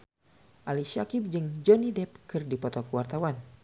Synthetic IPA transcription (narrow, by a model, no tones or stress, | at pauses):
ʔaliʃakip̚d͡ʒɨŋd͡ʒɔnidɛp̚kɨrdipɔt̪ɔkuwart̪awan